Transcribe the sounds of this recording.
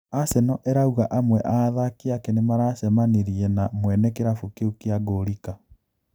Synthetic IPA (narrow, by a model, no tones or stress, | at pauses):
asɛnɔʔɛɾauɣaʔamwɛʔaðakiakenemaɾaːsɛmaneɾiɛnamwɛnɛkeɾafukeukeaɣoɾika